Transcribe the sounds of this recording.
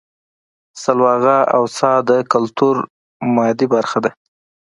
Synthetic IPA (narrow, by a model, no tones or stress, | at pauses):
salwɑɣaawsɑd̪əkalt̪uɾ | mɑd̪ibaɾxad̪a